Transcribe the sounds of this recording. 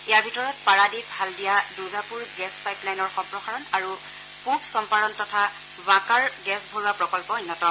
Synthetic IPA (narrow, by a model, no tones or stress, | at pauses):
ɛjaɹbʱitɔɹɔt̚paɹadibʱaldijaduzapuɹɡɛspajplajnɔɹxɔmpɹɔxaɹɔnaɹu | pubsɔmpaɹɔntɔtʰa | bãkaɹɡɛsbʱoɹuapɹɔkɔlpɔojnːɔtɔ